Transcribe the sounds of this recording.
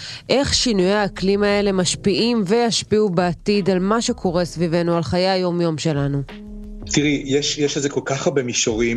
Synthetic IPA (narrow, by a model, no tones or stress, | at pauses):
ʔe̞χʃinujehaklimaele̞maʃpiʔimvejaʃpiubeatidalmaʃe̞kʰo̞ʁe̞svive̞nualχajajjːo̞mjo̞mʃe̞lanu | t̪iʁijeʃjɛʃlezeko̞lkaχaʁbemiʃoʁi